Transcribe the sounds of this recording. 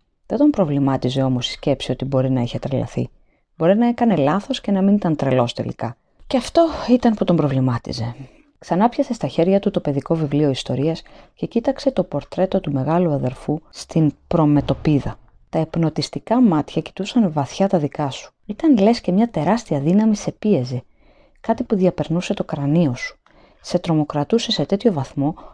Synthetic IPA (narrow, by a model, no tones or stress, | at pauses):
ðe̞d̪o̞mpɾo̞vlimɐt̪ize̞o̞mo̞si̥sce̞psio̞t̪ibo̞ɾinɐiçe̞t̪ɾelɐ̰θḭ | bo̞ɾinɐe̞kɐne̞lɐθo̞sce̞nɐminit̪ɐnt̪ɾe̞lo̞st̪e̞̰lḭkɐ | ceɐft̪o̞it̪ɐnput̪o̞mbɾo̞vlimɐt̪ḭze̞ | ksɐnɐpçɐse̞st̪ɐçe̞ɾʝɐt̪ut̪o̞pe̞ðiko̞vivlio̞ist̪o̞ɾiɐsce̞cit̪ɐkse̞t̪o̞po̞ɾt̪ɾe̞t̪o̞t̪ume̞ɣɐluɐðe̞ɾfust̪inpɾo̞me̞t̪o̞piðɐ | t̪ɐe̞pno̞t̪ist̪ikɐmɐt̪çɐci̥t̪usɐnvɐθçɐt̪ɐðikɐsu̥it̪ɐnle̞sce̞mɲɐt̪e̞ɾɐst̪iɐðinɐmise̞pie̞zi | kɐt̪ipuðiɐpe̞ɾnuse̞t̪o̞kɾɐnio̞su̥ | se̞t̪ɾo̞mo̞kɾɐt̪use̞se̞t̪e̞t̪ço̞vɐθmo̞